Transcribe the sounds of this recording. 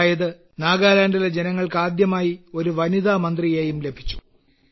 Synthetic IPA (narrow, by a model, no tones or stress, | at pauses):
jɐðɨ | naːɡaːlaːɳɖiled͡ʑenɐŋːɐɭkaːd̪jɐmaːjio̞ɾuʋɐniðaːmɐnd̪rijeːjumle̞bʱit͡ɕːu̥